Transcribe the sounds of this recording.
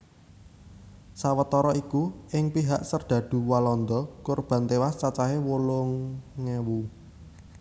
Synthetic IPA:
sawət̪ɔɾɔikuɪŋpiɦaʔsərd̪̥ä̤d̪̥ṳwalɔnd̪ɔkurb̥a̤nt̪ewast͡ʃat͡ʃaɦewolʊŋːewu

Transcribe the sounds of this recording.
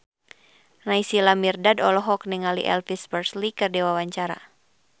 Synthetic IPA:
naisilamirdadɔlɔɦɔk̚nɛŋalḭʔɛ̰lfispərslikərdɛwawaɲt͡ʃaɾa̰

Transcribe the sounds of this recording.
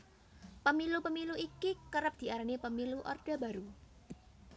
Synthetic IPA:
pəmilupəmiluʔikikəɾəp̚d̪̥i̤aɾanipəmiluʔɔ̰rd̥a̤baɾu

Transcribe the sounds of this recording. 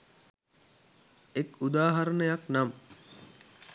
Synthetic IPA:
ekud̪aːɦaɾənəjaknam

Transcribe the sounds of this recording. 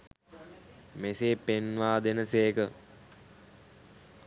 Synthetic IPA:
meseːpenʋaːd̪enəseːkə

